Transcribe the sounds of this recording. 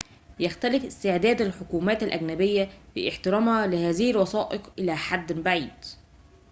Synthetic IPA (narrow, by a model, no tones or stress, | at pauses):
jæxt̪ælɪfʔɪst̪ɪʕd̪æːd̪ælħokuːmæːt̪ælʔæɡnæbɪjːæbḭʔɪħt̪ɪɾˤɑːmhɑlɪhæːzɪhɪlwɑsɑːʔɪqʔɪlæːħad̪ːbaʕiːd̪